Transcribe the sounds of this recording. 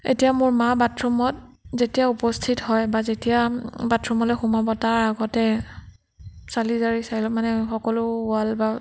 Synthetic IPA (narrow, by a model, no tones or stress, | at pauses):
ḛtijamʊɹmabatɹɔmɔt̚zetijaupɔstʰitɦɔjbazetijabatʰɹɔmɔlɛxumabɔtaɹaɡɔtɛ | salizaɹisailɔmanɛxɔkɔlʊalba